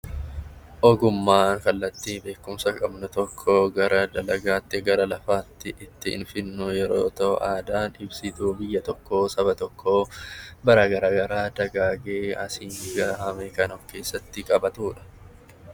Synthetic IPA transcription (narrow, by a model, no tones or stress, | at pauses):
ʔɔɡʊmːaːŋkɐlːɐt̪ːiːnbe̞ːkːʊmsɐkʼɐbnʊt̪ɔkʰːoːɡɐɾɐd̪ɐlɐɡaːt̪ːɪɡɐɾɐlɐfaːt̪ːɪʔɪt̪ːɪɪ̰nfɪnːʊjɛɾo̰ːt̪ɐʔaːd̪aːnɪbsɪt̪uːbɪjːɐt̪ɔkːoːsɐbɐt̪ɔkʰːoːbɐɾaːɡɐɾaːɡɐɾaːd̪ɐɡaːɡe̞ːɐsiːɡɐhɐmekɐnɔfke̞ːsːɐt̪ːɪkʼɐbɐt̪uːᶑɐ̥